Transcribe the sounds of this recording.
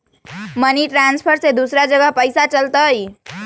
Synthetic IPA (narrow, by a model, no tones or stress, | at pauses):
məniʈɾanspʰəɾsed̪usɾad͡ʒəɡəɦpəjsat͡ʃəlt̪əj